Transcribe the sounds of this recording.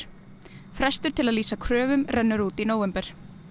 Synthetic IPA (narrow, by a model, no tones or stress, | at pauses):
fɾɛst̪ʏɾ̥t̪ʰɪlaðliːsakʰɾœːvʏmrɛnːʏɾuːt̪inoːwvɛmpɛɾ̥